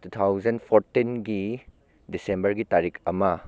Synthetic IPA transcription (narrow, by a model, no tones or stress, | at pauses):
tut̪ʰawzɐnpʰoɾtinɡi | disembɐɾɡitaɾikʰɐmɐ